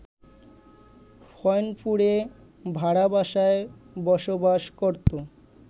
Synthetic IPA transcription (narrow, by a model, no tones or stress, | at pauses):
fʰɔjnpuɾe | bʱaɽabaʃaebɔʃobaʃkoɾt̪o